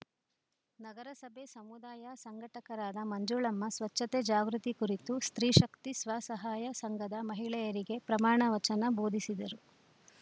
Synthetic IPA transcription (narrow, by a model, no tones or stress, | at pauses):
nɐɡɐɾɐsɐbʱesɐmud̪aːjasɐŋɡʱɐʈɐkɐɾaːd̪ɐmɐɲd͡ʒuɭɐmːɐsʋɐt͡ʃːɐt̪eːd͡ʒaːɡɾut̪ikuɾit̪ust̪ɾiːʃɐkt̪isʋaːsɐɦaːjɐsɐŋɡɐd̪ɐmɐɦiɭɛjɐɾiɡe̞pɾɐmaːɳɐʋɐt͡ʃɐnɐbo̞ːd̪ʱisid̪ɐɾu